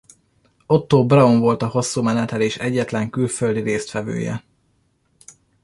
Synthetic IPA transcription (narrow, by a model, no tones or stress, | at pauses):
o̞t̪ːoːbrɒoɱvo̞lt̪ɒho̞sːuːmɛnɛt̪ɛleːʃɛɟːɛt̪lɛŋkylføld̪iɾeːst̪fɛvø̰ːjɛ̰